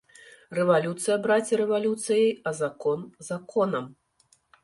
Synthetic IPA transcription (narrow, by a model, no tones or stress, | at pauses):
rɛvalʲut̪sɨjɐbɾat͡sʲiɾɛvalʲut̪sɨjɐjɐzakɔnzakʰɔnɐm